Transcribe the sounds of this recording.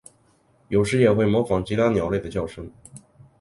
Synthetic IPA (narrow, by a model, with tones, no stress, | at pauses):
jo˨˩ʊʂ̬ɻ̩˧˥jɛ˨˩xwe˥˩ɪmwɔ˧˥fɑ˧˥ŋt͡ɕi˧˥t̪ʰa˥njɑ˨˩ʊle˥˩ɪd̪ə˩t͡ɕjɑ˥˩ʊʂɤ˥ŋ